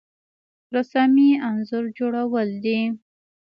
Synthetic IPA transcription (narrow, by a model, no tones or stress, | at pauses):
ɾasamianzʊɾd͡ʒoɽawəld̪i